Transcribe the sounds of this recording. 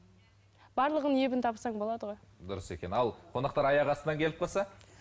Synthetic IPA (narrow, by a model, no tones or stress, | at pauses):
b̥ɑɾlˠəʁənje̞bɪnt̪ʰɑbsɑɴbo̞lˠɑd̪əʁo̞jd̪ʊɾəse̞kʲe̞nɑlˠqʰo̞nɑqt̪ɑɾɑjɑʁɑsənɑŋkʲe̞lɪp̚qɑlˠsɑ